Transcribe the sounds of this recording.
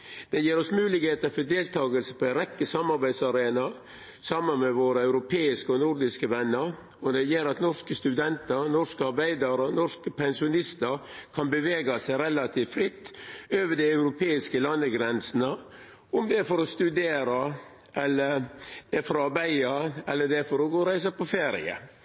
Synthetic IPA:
d̪̥ɛjiːɾɔsmʉːlɪɡheːt̪əfɔd̪eːlt̪ʰɑːɡəlsəpʰɔæɪɾɛkːəsɑmːɑɾbæɪd̪sɑɾeːnɑ | sɑmːənmɛʋoːɾəɑʉɾʊpʰeːɪskəɔnuɾd̪ɪskəʋɛnːəɾ | ɔd̪ɛjeːɾɑt̪nɔskəst̪ʉd̪ɛnt̪əɾnɔskəɑɾbæɪd̪ɑɾənɔʂkəpʰɛnsɪʊnɪst̪əɾkʰɑnbəʋeːɡɑsæɪɾɛlɑt̪ʰiːfɾɪt̪ːøːʋəɖæɪɑʉɾʊpʰeːɪskəlɑnːəɡɾɛnsnə | ʊmd̪ɛfɔɾɔst̪ʉd̪eːɾɑ | ʔɛlːəɾd̪̥ɛfɔɾɔɑɾbæɪɑɛlːəɖɛfɔɾɔɡoːɾæɪs̬ɑpɔfeːɾɪ̰ə̰

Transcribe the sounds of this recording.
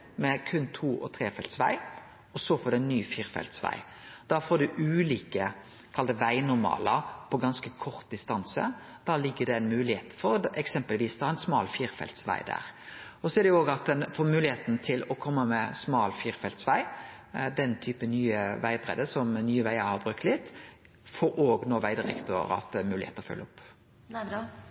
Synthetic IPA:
mɛkʰʉnːt̪ʰuːʔɔ̰t̪ʰɾeːfɛlt̪sʋæ̰ɪ | ɔsɔfɔɾd̪ɛnnːyːfiːɾfɛ̰lt̪sʋæ̰ɪ | d̪̥ɑfoːɖ̪ʉʔʉːliːkə | kʰɑld̪əʋæɪnʊɾmɑ̰ːləpʰɔɡɑnskəkʰɔɾt̪̚d̪ɪst̪ɑnsə̰ | d̪̥ɑːlɪɡːəd̪ɛæɪnmʉːlɪheːt̪fɔɾdɛksɛmpəlʋiːsd̪ɑhɑɛnsmɑːlfiːɾfɛ̰lt̪sʋæ̰ɪd̪æ̰ːʁɔsɔɛɾdɛʊoːɡɑt̪̚ɛnfɔmʉːlɪheːt̪nt̪ʰɪlɔkʰɔmːəmɛsmɑːlfiːɾfɛlt̪sʋæɪ | d̪ɛnt̪ʰyːpənyːəʋæɪbʁɛ̰d̪əsɔmnyːəʋæɪəɾhɑʁbʁʉkt̪lɪt̪ː | fɔɾoːɡnoːʋæɪd̪ɪʁɛ̰kt̪ʊ̰ɾɑ̰t̪ɛmʉːlɪḛːt̪əɔfœ̰lːəɔpː

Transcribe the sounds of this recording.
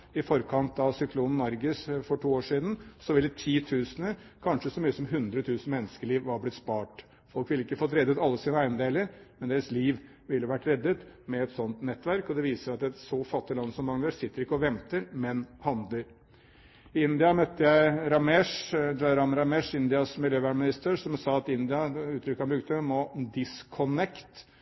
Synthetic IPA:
ɪfɔɾkʰɑnt̪ɑʋsʏkʰluːnn̩ːɑɾɡəsfɔʈʰuːoːʂiːd̪n̩sɔʋɪlːət̪ʰiːt̪ʰʉːsənə | kʰɑnʂəsɔmyːəsɔmɦʉnd̪ɾət̪ʰʉːsn̩mɛnːəskəɭiːʋʋɑɾblɪt̪spɑːʈ | fɔlkʋɪlːəɪkːəfɔt̪ːɾɛd̪ːət̪ɑlːəsiːnəæɪnəd̪eːləɾmɛnd̪eːɾəsliːʋ | ʋɪlːəʋæʈːɾɛd̪ːət̪mɛɛt̪sɔnt̪nɛt̪ːʋæɾkɔd̪ɛʋiːsəɾɑt̪ɛt̪sɔfɑt̪ːɪlɑnsɔmːɑŋʋəsɪt̪ːəɾɪkːəɔʋɛmt̪əɾmɛnhɑnd̪ləɾ | ɪɪnd̪ɪɑmœt̪ːəjæɪɾɑmɛʂɾɑɾɑmɾɑmɛʂɪnd̪ɪɑsmɪljøːʋæːɳmɪnɪst̪əʂɔmsɑːɑt̪ɪnd̪ɪɑʉːt̪ʰɾʏkːəhɑnbɾʉːk̚t̪əmɔd̪ɪskʰɔnɛkt̪

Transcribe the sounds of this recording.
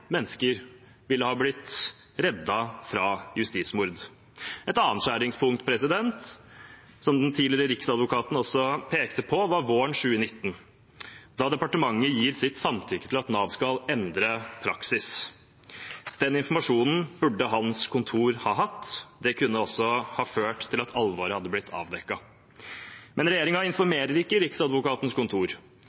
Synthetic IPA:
mɛnːəskəɾ | ʋɪlːəhɑːblɪt̪ | ɾɛd̪ːɑfɾɑjʉst̪iːt̪smʊɾd̪ | ɛt̪ɑnnt̪ʂæːɾɪŋspʰʊŋt̪pʰɾɛsɪd̪ɛnt̪ | sɔmd̪ɛnt̪ʰiːlɪɾəɾɪksɑd̪ʋʊkʰɑːt̪n̩ɔsːɔpʰeːkt̪əpʰɔʋɑɾʋoːɳʂʉːənɪt̪ːn̩ | d̪ɑd̪ɛpɑʈəmɑŋːəjiːɾsɪt̪sɑmt̪ʰʏkːət̪ʰɪlɑt̪nɑːʋskɑlɛnd̪ɾəpʰɾɑksɪs | d̪̥ɛnɪnfɔɾmɑʂuːnn̩bʉɖːəɦɑnskʰʊnt̪ʰuːɾhɑːɦɑt̪ːd̪ɛkʰʉnːəɔsːɔhɑːføːʈt̪ʰːɪlɑt̪ʰɑlʋoɾəhɑd̪ːəblɪt̪ʰɑ̰ːʋd̪ɛkːɑ | mɛnɾɛjeːɾɪŋɑɪnfɔɾmeːɾəɾɪkːəɾɪksɑd̪ʋʊkɑːt̪nskʊnt̪ʰuːɾ

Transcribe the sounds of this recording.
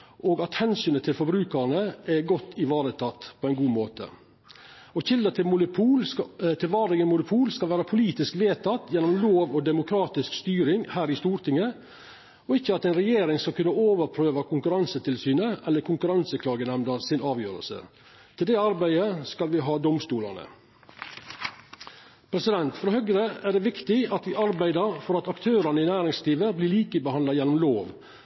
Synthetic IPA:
ʔoːɡɑt̪hɛnsyːnət̪ʰɪlfɔbɾʉːkəɾnəʔɛɡɔt̪ːɪʋɑːɾət̪ʰɑt̪ːpʰɔɛɪnɡuːmoːt̪ʰə̰ | ɔçɪld̪ət̪ʰɪmʊuːt̪ʰɪlʋɑːdɾɪŋənmʊnʊpʰuːlskɑlʋæːɾəpʰʊliːt̪ɪskʋeːt̪ʰɑt̪ːjɛnːɔmloːʋɔd̪ɛmʊkʰɾɑːt̪ɪskst̪yːɾɪŋhæːɾɪst̪uːɾt̪ʰɪŋːə | ɔɪçːəɑt̪æɪnɾɛjeːɾɪŋskɑlkʉnːəoːʋəɾpʰɾøːʋɑkʰʊŋkʉɾɑnsət̪ʰɪlsyːnəʔɛlːəɾkʰʊŋkʉɾɑnsəkʰlɑːɡənæmnəɾsɪnɑːʋjøːɾə̰lsə̰ | t̪ʰɪld̪ɛɑɾbæɪəskɑlʋɪɦɑːd̪ɔmst̪uːlɑ̰nə̰ | pʰɾɛsɪd̪ɛnt̪fɾɔhœɡɾəæɖɛːʋɪkt̪ɪɑt̪ʋɪʔɑɾbæɪd̪əɾfɔɾɑt̪ɑkt̪ʰøːɾɑnəɪnæːɾɪŋsliːʋəblɪːɭiːkəbəhɑnd̪ɑjɛnːɔmloːʋ

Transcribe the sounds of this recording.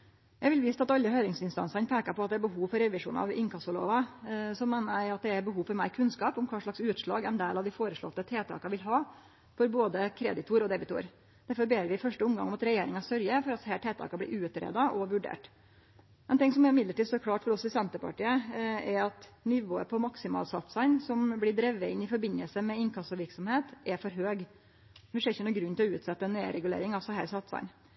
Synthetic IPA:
jæɡʋɪlʋiːst̪ɑt̪ɑlːəhœʏɾɪŋsɪnst̪ɑ̰nsɑnpʰeːkɑpɔɑt̪̚d̪ɛæɾbəɦuːʋfɔɾɛʋɪʂṵːnɑ̰ʋɪ̰ŋkʰɑst̪ɔɭo̰ːʋɑsɔmːeːnəæɪɑt̪̚d̪ɛæɾbəɦuːʋfɔɾmæɪɾkʰʉnskɑːpʊmkʰɑːʂɭɑksʉːt̪ʂɭɑ̰ːɡɛnd̪eːlɑʋd̪ɪfoːɾəʂɭɔ̰t̪ːət̪ʰeːt̪ʰɑ̰ːkɑʋɪlɦɑː | fɔɾboːd̪əkʰɾɛ̰d̪ɪt̪ʰuːɾɔd̪ɛbɪt̪ṵːɾ | d̪̥æɾfɔɾbeːɾʋɪfœʂʈəʊmɡɑ̰ŋɔmɑt̪ɾɛjeːɾɪŋɑsœɾjəfɔɾɑt̪shæːʈʰeːt̪ʰɑ̰ːkɑb̪ɪ̰ʔʉːʉt̪ɾḛːd̪ɑʔɔʋʉɖḛːʈ | ɛnt̪ɪŋsɔmɛɾɪmɪd̪ləʈiːsɔkʰlɑːʈfɔɾɔsːɔɪsɛnt̪əpɑ̰ʈiːəɛɾɑt̪nɪʋoːə̰pʰɔmɑksɪmɑ̰ːlsɑt̪sɑɪnsɔmblɪɖɾɛʋːəɪnːɪfɔɾbɪnːəlsəmɛɪnkʰɑsɔʋɪɾksɔmheːt̪ʔɛɾfɔɾɦøːɡ | nɪsɛɪçːənuːɡɾʉnːt̪ʰɪlɔʉːt̪sɛt̪ːəɛneɾɛɡʉlḛːɾɪŋɑsɔɦæ̰ːɾsɑt̪sɑ̰ɪn

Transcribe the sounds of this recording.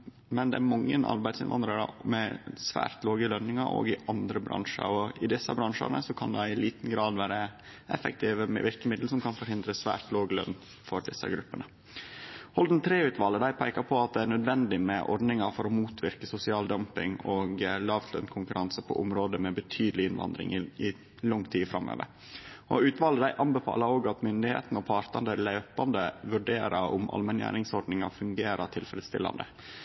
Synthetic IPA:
mɛnd̪ɛ̰æɾmɑŋːə̰nʔɑ̰ɾbæɪd̪sɪnʋɑ̰nd̪ɾəɾɑ̰mɛsʋæ̰ːɾt̪loːɡəlœnːɪŋɑɾʔo̰ːɡɪʔɑnd̪ɾəbɾɑ̰ŋʂə̰ɾɔɪd̪ɪsːə̰bɾɑŋʂə̰nə̰sɔkʰɑnd̪ɛɪliːt̪n̩ɡɾɑːd̪ʋæːɾə | ʔɛfək̚t̪ʰɪːʋəmɛ̰ʋɪɾkəmɪd̪l̩sɔmkʰɑnfɔɾhɪnd̪ɾəsʋæ̰ːɾt̪loːɡlœ̰nː | fɔɾɖɪsːə̰ɡɾʉpːənə | hɔld̪n̩t̪ʰɾeːʉːt̪ʰʋɑːləd̪æɪpʰæɪkɑpʰɔɑt̪̚d̪ɛæɳnœd̪ʋɛnd̪ɪmɛʔɔ̰ɾɖnɪŋɑfɔɾɔmuːt̪ʰʋɪɾkəsʊsɪɑːld̪œmpɪŋoːɡlɑːʋt̪ʰlœ̰nkʰʊŋkʉɾɑnsəpʰɔ̰ʔʊmɾoːd̪əmɛbət̪ʰyːd̪lɪɪnʋɑ̰nd̪ɾɪ̰ŋɪɪ | lʊŋt̪ʰiːfɾɑmːø̰ːʋə̰ɾ | ɔʉːt̪ʋɑːləd̪æɪʔɑmbɛfɑ̰ːlɑoːɡɑt̪mʏnd̪ɪhḛːt̪nɔpʰɑːɾt̪ɑnd̪əlæʏpɑnd̪əʋʉɖeːɾɑʊ̰mʔɑ̰lmɛnjæ̰ːɾɪŋsɔɖnɪŋɑ̰fʉŋɡeːɾɑt̪ʰɪlfɾəd̪st̪ɪ̰lːɑ̰nd̪ə̰

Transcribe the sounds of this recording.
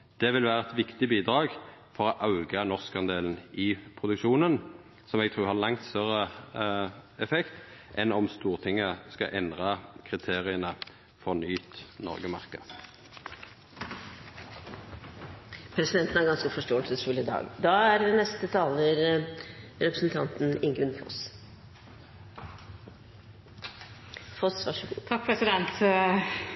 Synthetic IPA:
d̪̥ɛʋɪlʋæːʁəɛt̪ʋɪkt̪ɪbiːd̪ʁɑːɡfɔʁɔʔɑʉɡənɔʁskɑnd̪eːln̩ɪpʰʁʊd̪ʉkʃuːnən | sɔmɛɡt̪ʰʁuːhɑʁlɑŋt̪st̪œʁə | ɛfɛkt̪ʔɛnɔmst̪uːʁt̪ʰɪŋːəskɑ̰ʔɛnd̪ʁɑkʰʁɪt̪ʰeːʁɪənə | fɔʁnyːt̪nɔ̰ʁɡəmɑʁkəd | pʰɾɛsɪd̪ɛnt̪n̩æɾɡɑnskəfɔʂʈoːɛlsəsɾuːlɪɪd̪ɑ̰ːɡd̪ɑːæɾnɛst̪ət̪ʰɑːləɾ | ɾɛpɾəsnt̪ʰɑnt̪n̩ɪŋɡʉnfɔ̰s | fɔsʋɑʂt̪ʰɑk̚pʰɾɛsɪd̪ɛnt̪

